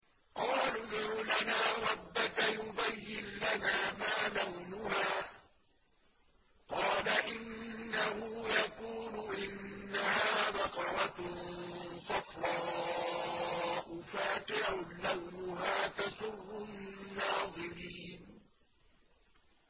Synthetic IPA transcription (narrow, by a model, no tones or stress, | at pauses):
qɑːlʊd̪ʕʊlanaːɾˤɑbːakajʊbajːɪnlanaːmaːlawnʊhaː | qɑːlaʔɪnːahʊjakuːlʊʔɪnːahaːbɑqɑɾˤɑ | sɑfɾˤɑː | ʔʊfaːt̪ɪʕʊlawnʊɦaːt̪asʊrːʊnːɑːðˤɨɾiːn